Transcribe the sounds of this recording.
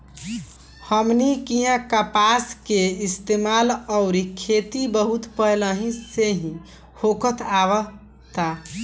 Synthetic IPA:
həmnikiɦãkəpaskeist̪emaləʊɾikʰet̪ibəɦut̪pəjləɦĩseɦĩ | hokət̪ʰaʋə | t̪a

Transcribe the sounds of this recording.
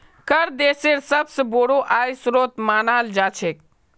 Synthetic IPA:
kəɾd̪eseɾsəbsəboɽoʔajsɾot̪manald͡ʒat͡ʃʰek

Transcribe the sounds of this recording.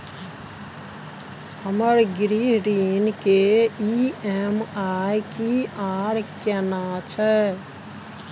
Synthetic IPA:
həməɾɡɾiɾinkeiɛmajkiaɾkɛnat͡ʃʰɛ

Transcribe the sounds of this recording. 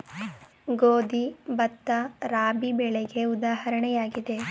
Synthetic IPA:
ɡoːd̪ibɐt̪ːɐɾaːbibɛɭeɡe̞ud̪aːhɐɾɐɳɛjaːɡid̪e̞

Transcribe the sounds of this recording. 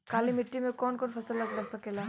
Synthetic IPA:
kaliːmiʈːimikɔɳkɔɳfʰəsəlːəɡləst̪akela

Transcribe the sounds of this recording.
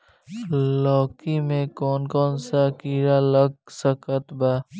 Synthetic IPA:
lɔːkimẽkɔːnkɔːnsakiːɾaləɡ̚səkət̪baː

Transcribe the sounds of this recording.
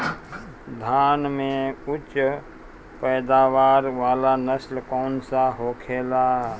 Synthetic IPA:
d̪ʱaːnmẽʊt͡ʃ | pəːd̪aːʋaːɾʋaːlanəslkɔːnsaɦoːkʰeːla

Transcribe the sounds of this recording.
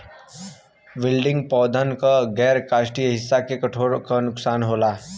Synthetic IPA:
ʋɪlɖɪ̃ŋɡ̚pɔːd̪ʱənkaɡɛːɾkaːʃʈiɦɪsːakekɐʈʰoːɾokanʊksaːnɦoːlaː

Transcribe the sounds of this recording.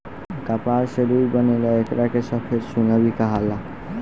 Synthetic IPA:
kapaɾʃeɾujbɔnelɔekɾakeʃɔpʰeɾʃunabikaɦala

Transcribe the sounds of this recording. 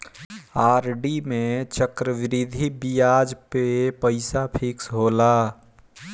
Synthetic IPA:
aːɾɖimẽt͡ʃəkɾəʋɪɾid̪ʱibijad͡ʒpepəɪsapʰiksɦola

